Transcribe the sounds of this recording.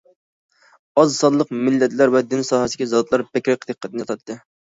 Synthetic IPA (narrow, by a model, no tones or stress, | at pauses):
ɑzsɑd̪lˠəqmɪlːɛt̪ʰlæɾvɛd̪ɪnsɑːɦɛsikʲizɑd̪lˠɑɾbɛkʲɾɛk̚ʲd̪əqʰːət̪ɨnɨt̪ʰɑt̪ʰːɨ